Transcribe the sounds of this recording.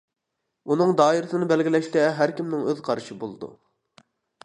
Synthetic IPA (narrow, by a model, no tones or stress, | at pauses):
unɨŋd̪ɑːiɾɨsɨnɨbɛlɡʲɪlɛʃt̪ɛɦæɾkʲimnɪŋøðqʰɑɾɨʃibolˠɨd̪ṵ